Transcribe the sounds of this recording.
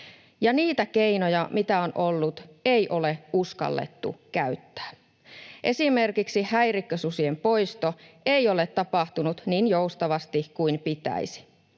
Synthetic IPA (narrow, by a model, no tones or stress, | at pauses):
jɑniːt̪æke̞inojɑmit̪æonʔolːut̪ejʔo̞le̞uskɑ̰lːḛt̪ːṵkæyt̪ːæ̥ː | ʔe̞sime̞rkiksihæjrikːøsusiempo̞jst̪oejo̞let̪ːɑpɑht̪unut̪niːnjoust̪ɑʋɑst̪ikuinpit̪æ̰isi̥